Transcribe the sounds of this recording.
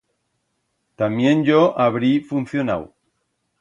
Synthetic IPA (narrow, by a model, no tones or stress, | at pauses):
t̪amjẽ̞nɟ͡ʝoʔaβɾifunθjona̰w